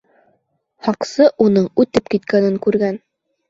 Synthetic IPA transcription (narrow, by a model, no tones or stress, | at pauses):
hɑqsɤʔunɤɴʉt̪ɘpkit̪kænɘŋkʉɾɡæn